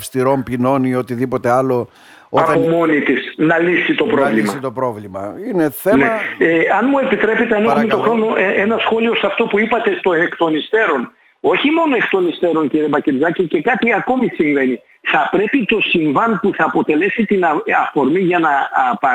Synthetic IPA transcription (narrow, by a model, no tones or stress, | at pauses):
fst̪iɾo̞mpino̞niot̪iðipo̞t̪ealo̞ | oɐpomo̞nit̪isnɐlisit̪opɾo̞vlimɐt̪opɾovlimɐ̰ineθeneeɐnmue̞pit̪ɾe̞pit̪eɐnizmet̪o̞xɾo̞no̞ʔee̞nɐsxo̞lio̞sɐft̪o̞puipɐt̪e̞t̪o̞ekt̪o̞nist̪e̞ɾo̞n | o̞çimo̞no̞e̞kt̪o̞nist̪e̞ɾo̞nciɾibɐciɾzɐcice̞kɐt̪iɐko̞misiɱve̞ni | θɐpɾe̞pit̪o̞siɱvɐnpuθɐːpo̞t̪e̞le̞sit̪inɐɐfo̞ɾmiʝɐnɐpɐ